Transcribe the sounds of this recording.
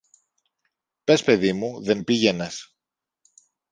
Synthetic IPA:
pe̞spe̞ðimuðe̞npiʝe̞nɐs

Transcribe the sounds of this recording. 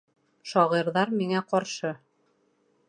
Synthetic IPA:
ʃɒʁiɾðɑɾmiŋæqɒɾʃɤ

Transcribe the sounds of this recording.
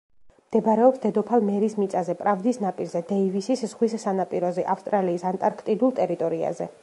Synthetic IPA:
md̪̥ɛbɾɛɔpsd̪ɛd̪ɔpʰalˠmɛɾismit̪sʼazɛpʼɾavd̪isnapʼiɾzɛd̪ɛivisisz̥ʁwissanapʼiɾɔzɛʔafst̪ʼɾaliːsant̪ʼaɾkʰt̪ʼid̪ulˠt̪ʼɛɾit̪ʼɔɾia̰zɛ

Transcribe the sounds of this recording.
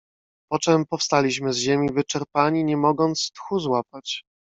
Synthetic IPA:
pɔt͡ʂɛmpɔfst̪alʲiɕ̬mɘzʑemʲivɘt͡ʂɛɾpaɲiɲɛmɔɡɔnt̪st̪xuzwapat͡ɕ

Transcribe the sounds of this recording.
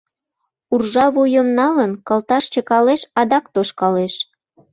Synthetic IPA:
urʒɑβujəmnɑlənkəlt̪ɑʃt͡ɕə̆kɑleʃɑd̪ɑkt̪oʃkɑleʃ

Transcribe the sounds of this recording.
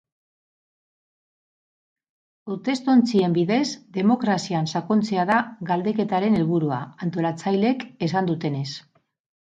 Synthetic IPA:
uɾt̪e̞st̪o̞nt͡sie̞mbiðe̞zd̪e̞mo̞kɾasiansakont͡se̞aðaɣald̪e̞ke̞t̪aɾe̞ne̞lβuɾua̰ant̪o̞lat͡sajle̞ke̞s̬and̪ut̪e̞ne̞s

